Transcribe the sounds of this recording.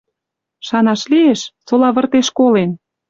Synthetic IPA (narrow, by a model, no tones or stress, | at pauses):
ʃɑnɑʃlieʃsolɑβə̆rt̪eʃkolen